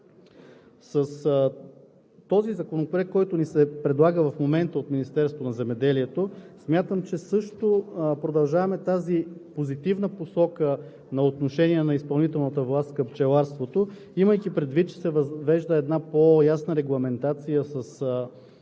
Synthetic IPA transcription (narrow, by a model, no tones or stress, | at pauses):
səs | t̪ɔzizɐkonopoɾɛkkːɔjt̪ʊnisɛpɾɛd̪lˠaɡəvɐfmomɛnt̪əot̪minist̪ɛɾst̪vonɐzɛmɛd̪ɛliɛt̪osmʲjat̪əmt͡ʃɛsɤʃt̪opɾod̪ɐlˠʒavɐmɛt̪azipozit̪ivnəposɔkə | nɐot̪noʃɛniɛnɐispɐlˠnit̪ɛlˠnət̪əvlˠast̪kəpt͡ʃɛlˠaɾst̪vot̪o | iməjkipɾɛd̪vit̪̚t͡ʃɛ̥sɛvvɛʒd̪əɛd̪napojasnəɾɛɡlˠɐmɛnt̪at̪sijəsəs